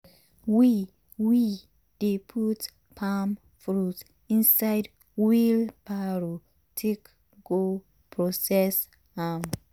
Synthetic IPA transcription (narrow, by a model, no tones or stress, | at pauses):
wi | wi | d̥epʰut | pʰam | fɹut | ĩnsajd | wilpʰaɹo | tʰek | ɡo | pʰɹɔsɛs | ãm